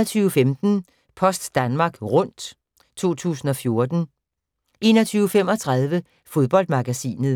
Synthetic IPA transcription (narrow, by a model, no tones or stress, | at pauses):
ɐt͡sʰyːʊfemd̥n̩ | pʰɒ̽sd̥ːænmɑ̈ːɡ̥ʁɔ̽n̰d̥ | t͡sʰo̝̰ːt͡sʰṵːsn̩ɒ̽fjo̝ɐd̥n̩ | ʔe̝ːnɒt͡sʰyːʊfem̰ɒ̽t͡sʰʁɑ̈ð̞ˠʋə | fo̝ðˠb̥ɒ̽l̰d̥mɑ̈ɡ̥æsḭːnðˠ